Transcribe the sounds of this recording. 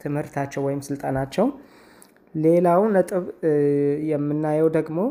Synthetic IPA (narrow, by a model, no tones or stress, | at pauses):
t̪ʰɨmhɨɾt̪ʰat͡ʃːɛwɔjɪmsɨlt̪ʼanat͡ʃːɛw | le̞lawnət̪ʼɨβ | jɛmːɨnːajɛwd̪əɡmo̞